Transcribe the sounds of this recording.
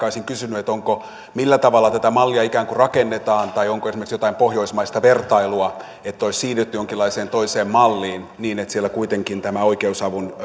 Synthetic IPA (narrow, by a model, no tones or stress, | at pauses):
ɑoisiŋkysynyet̪oŋko | milːæt̪ɑʋɑlːɑt̪æt̪æmɑlːiɑikæːŋkurɑkenːet̪ɑːnt̪ɑioŋkoesimerksjot̪ɑimpohjoismɑist̪ɑʋert̪ɑiluɑ | et̪ːoissiːnet̪ːyjoŋkilːˑɑiseːnt̪oiseːmmɑlːiːnniːnet̪sielːækuit̪eŋkint̪æmæoikeusɑʋun